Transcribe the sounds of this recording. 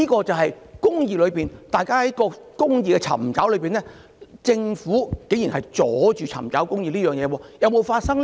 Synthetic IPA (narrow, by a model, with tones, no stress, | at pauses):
iː˥kɔː˧t͡sɐ˨whɐ˨jkʊ˥ŋjiː˨lɵ˨˧ɥpiː˨˩nt̪aː˨jkaː˥hɐ˨˥jkɔː˧ | kʊ˥ŋjiː˨kɛ˧t͡sʰɐ̰˨˩mt͡saː˨˥wlɵ˨˧ɥpiː˨nlɛː˥ | t͡sɪ˧ŋfuː˨˥ke˨˥jiː˨˩hɐ˨jt͡sɔː˨˦˥t͡ʃyː˨t͡sʰɐ̰˨˩mt͡sɐ̰˨˥wkʊ˥ŋjiː˨˧liː˥jœː˨ŋjɛː˨˧wɔː˧jɐ˨˧wmo˨˧wfaː˧t̚sɐ˥ŋ